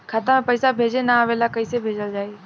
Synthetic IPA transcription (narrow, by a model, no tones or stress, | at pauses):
kʰat̪amẽpəɪsabʱeːd͡ʒenaaːʋeːlakəisebʱeːd͡ʒəld͡ʒaːe